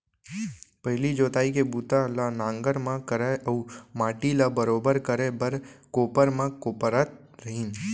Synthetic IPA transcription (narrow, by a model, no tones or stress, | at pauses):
pəɦɪlid͡ʒoːt̪aːikebuːt̪alanãːŋɡəɾmãkəɾeʔəumaːʈilabəɾoːbəɾkəɾebəɾkoːpəɾmãkoːpəɾət̪̚ | ɾəɦiːn